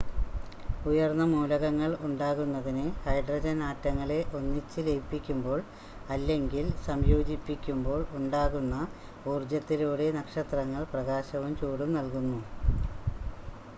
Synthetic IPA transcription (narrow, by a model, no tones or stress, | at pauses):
ujɐrnːɐmuːlɐɣɐŋːɐɭuɳɖaːɣunːɐðinɨhɐjɖrɐd͡ʑɐnaːtːɐŋːɐɭe̞ʔo̞nːit͡ɕːɨlejpːikʲːumbo̞ːɭ | ɐlːe̞ŋɡilsɐmjo̞ːd͡ʑipːikʲːumbo̞ːɭuɳɖaːɣunːɐ | uːrd͡ʑjɐt̪ːiluːɽe̞nɐkʂɐt̪rɐŋːɐɭprɐɣaːɕɐʋumt͡ɕuːɽumnɐlkunːu